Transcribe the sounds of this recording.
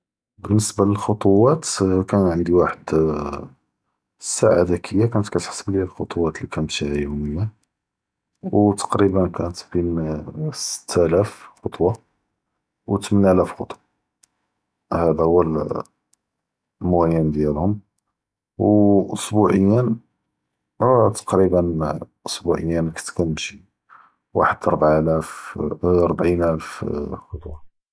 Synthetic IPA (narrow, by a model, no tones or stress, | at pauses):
bənːəsbaləlxot̪ˤowæt̪kænt̪ʕənd̪iwaħəd̪ | sːaʕad̪ækʰəjːakænət̪kæt̪ħsəbliælxot̪ˤuwɑt̪likænmt̪ihjuməjːa | wt̪ɑ̥qɾibənkænət̪binsə̥t̪ʰːælæfxot̪ˤwɑ | wt̪mənælæfxot̪ˤwɑ | hæd̪æhʊwːəl | mʊɣæjənd̪jælhʊm | wʔʊsbuʕəjːən | t̪ɑ̥qɾibənʔʊsbuʕəjːænkə̥t̪kænʃi | wa̰ħəd̪ɑɾˤbʕælæf | ɾˤbʕinʔælfxot̪ˤwɑ